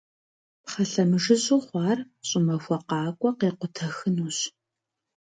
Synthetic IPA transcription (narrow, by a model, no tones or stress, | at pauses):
pχɐɬɐmɨʒɨɕʼuːχʷɑːr | ɕʼɪmɐxʷɔqɑːkʷʼɔqeːqʷʊtʰɐxɨnuːɕ